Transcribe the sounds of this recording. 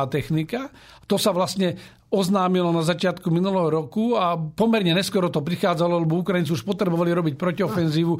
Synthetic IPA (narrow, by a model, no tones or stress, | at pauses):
aːt̪ɛxnika | t̪ɔsaʋlast̪ɲɛ | ɔznaːmilɔnazat͡ʃɪat̪kuminulɛɦɔɾɔkuapɔmɛɾɲɛɲɛskʊɔɾɔt̪ɔpɾixaːd͡zalɔlɛbɔukɾajnt͡siuʃpɔt̪ɾɛbɔʋaliɾɔbic̚pɾɔciɔfɛnziːʋu